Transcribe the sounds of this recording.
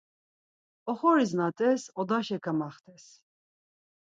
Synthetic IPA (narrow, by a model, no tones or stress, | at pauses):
ɔχɔɾis̬nat̪ʼɛsɔd̪aʃɛkʰamaχt̪ʰʼɛs